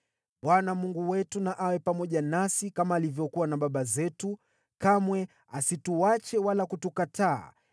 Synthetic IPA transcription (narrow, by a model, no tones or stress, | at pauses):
ɓwanamuŋɡuwɛtunaʔawɛpamɔʄanasikamaːlivjɔkuwanaɓaɓazɛtu | kamwɛ | asituat͡ʃɛwalakutukatʰa̰ː